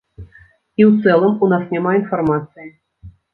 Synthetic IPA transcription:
iwt̪sɛlˠəmunɑsnʲɛmɑinformat̪sɨjɪ

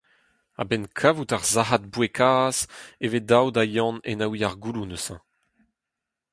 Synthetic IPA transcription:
a̰bɛnkʰavutaʁzaɦat̚bwekʰaːzeved̪awd̪ajɑ̃nenawiaʁɡulunøsɑ̰̃

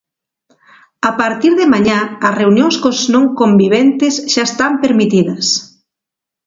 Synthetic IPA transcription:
apaɾt̪iɾðemaɲãɐsreunjoŋskoznõŋkombiβent̪esʃaest̪ampeɾmit̪iðɐs

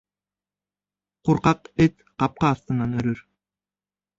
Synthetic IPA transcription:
quɾqɑqet̪ | qɑp̚qɑːst̪ɯnɑnøɾøɾ

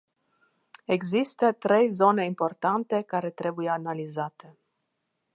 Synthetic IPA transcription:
eɡzist̪ət̪ɾejzo̞neimpo̞rt̪ant̪e̞kaɾe̞t̪ɾe̞bujeanalizat̪ʰe

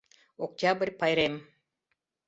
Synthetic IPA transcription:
ok̚t̪ʲabɨɾʲpajɾem

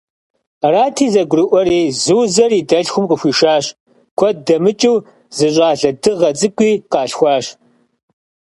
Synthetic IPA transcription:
raːtʰiːzɐɡʷʊrɨʔʷɔriːzɨwzɐriːdɐɬxʷʊmqəxʷiːʃaːɕ | kʷʰɔt̚dɐmɨt͡ʃʼiw | zɨɕ̬ʷʼaːɮɐdɨʁɐt͡sʼɨkʷʼiːqɑːɬxʷɑːɕ

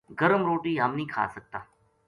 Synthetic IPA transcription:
ɡəɾəmɾoːʈiːɦəmnĩːkʰa̰ːsək̚t̪aː

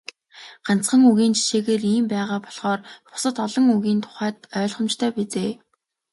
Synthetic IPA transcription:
ɢ̥an̥t͡sχə̆ŋuɣiːnt͡ɕʰi̥ʃeːɣeːriːmpæːʁaːpɔ̥ɮχɔːrpʊ̥sə̆t̪ɔɮɞ̆ŋuɣiːnt̪ʰʊ̥χæːt̪œːɮχə̆mt͡ɕt̪ʰœːpet͡seː

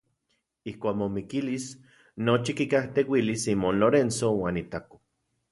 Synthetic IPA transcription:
ihkʷaːkmomikilis | not͡ʃikikaht̪ewilisimoːnloɾensowaːnit̪ako̥

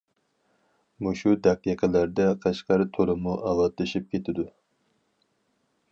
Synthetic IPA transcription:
muʃud̪æqːiqʰəlæɾd̪ɛqʰɑʃqɑɾɨt̪ʰoɾɨmuʔɑlɑt̪lɨʃip̚kʲʰet̪ʰɪd̪u

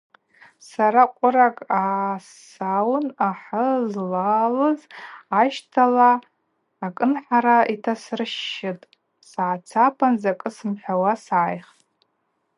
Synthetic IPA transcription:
saɾaqʷʼʊɾakʼaːs | awnaħəzlalɨzːʃtʰalaː | kʼɨnħaɾaitʰasrɨʃːɪtʼ | saːt͡sʰapʰanzakʼɨsɨmħʲʷᶣawasaːjχtʼ

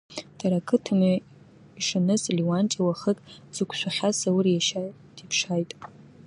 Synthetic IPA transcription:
d̥aɾakʰɨtʰɨma | iʂanɨsliwant͡ʃʼawaχətʼz̥ɨkʷʰʃʷaχʲasawrjaʃa | dipʰʂajtʼ

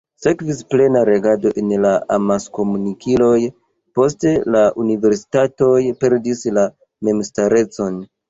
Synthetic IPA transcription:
se̞kvisple̞naɾe̞ɡado̞ʔenlaa̰masko̞munikʰilo̞j | po̞s̬te̞laʔunive̞ɾsi̥tato̞jpe̞ɾdisla | me̞mstaɾe̞t͡so̞n

